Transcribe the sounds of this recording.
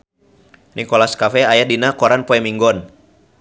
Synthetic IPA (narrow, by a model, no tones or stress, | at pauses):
nikɔlaskafɛajadinakɔɾanpɔɛmiŋɡɔn